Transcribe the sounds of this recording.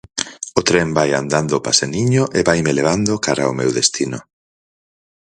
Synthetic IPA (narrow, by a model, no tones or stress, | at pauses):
ot̪ɾembaja̰nd̪and̪opaseniɲoʔeβajmeleβ̞and̪okaɾaomewðest̪ino